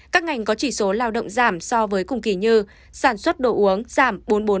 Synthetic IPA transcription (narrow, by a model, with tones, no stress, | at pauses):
kaː˦˥k̚ŋa˨˩jŋ̟kɔ˨˦t͡ɕi˧˩so˨˦laː˧wɗə̰˧˨wŋ͡mzaː˧˩msɔ˧vəː˨˦jkʊ̰˨˧˩ŋ͡mki˧˩ɲɨ˧ | saː˧˩nswə˦˥t̚ɗo̰˧˨ʔu˨˦əŋz̥aː˧˩mɓo˨˦nɓo˨˦